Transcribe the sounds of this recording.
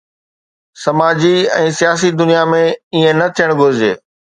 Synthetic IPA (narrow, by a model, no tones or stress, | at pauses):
sɐmaːd͡ʑiɛ̰̃ːsijaːs̬id̪ʊnijamẽiːẽnɐt̪ʰijəɽ̃ɡʱʊɾɪd͡ʑḛː